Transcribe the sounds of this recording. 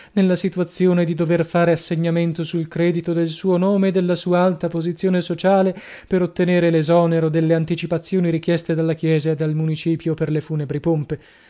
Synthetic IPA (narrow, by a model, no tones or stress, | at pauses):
nelːasit̪uat̪sːjoːned̪id̪overfaːɾeasːeɲːament̪osuilkɾɛːd̪it̪od̪elsuːonoːmeːd̪ːelːasuːaalt̪apozit̪sːjoːnesot͡ʃaːle | peɾot̪ːeneːɾelezɔːneɾod̪elːeant̪it͡ʃipat̪sːjoːniɾik̟jɛst̪ed̪alːakjɛːzaed̪ːalmunit͡ʃiːpjoperlefuːnebɾipompe